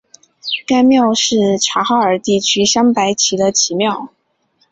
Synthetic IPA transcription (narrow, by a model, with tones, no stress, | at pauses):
ka˥ɪmjɑ˥˧ʊʂɻ̩˥˩ʈ͡ʂʰa˧˥xɑ˥˩ʊə˞˨˩˥t̪i˥˩t͡ɕʰy˥ɕjɑ˥ŋpa˧˥ɪt͡ɕʰi˧˥d̪ə˧t͡ɕʰi˧˥mjɑ˥˩ʊ